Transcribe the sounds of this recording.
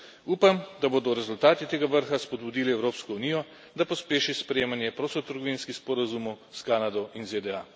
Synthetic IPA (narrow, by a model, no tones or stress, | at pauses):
uːpamd̪aboːd̪ɔɾɛzult̪aːt̪it̪eːɡaʋəɾxaspɔd̪̚bud̪iliɛwɾoːpskɔunijɔ | d̪apɔspeːʃispɾejeːmanjɛpɾoːsɔt̪əɾɡɔʋinskixspɔɾazumɔwskanad̪ɔinzed̪ɛa